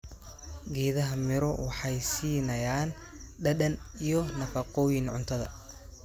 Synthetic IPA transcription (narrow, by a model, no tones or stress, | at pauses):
ɡɛːðɐɦɐmɪɾɔwɑħɑjsiːnɐjaːn | ɖɐɗɐnijɞnɐfɐqɔːjɪnʕʊ̰nt̪ʰɐðɐ̰